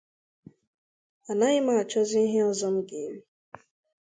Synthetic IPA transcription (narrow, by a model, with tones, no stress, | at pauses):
a˨na˦ɣɪ˦ma˦˨a˨t͡ʃɔ˦zi˦i˦ɦe˦ɔ˦zɔ˦m̩˦ɡe˨˦ɾi˦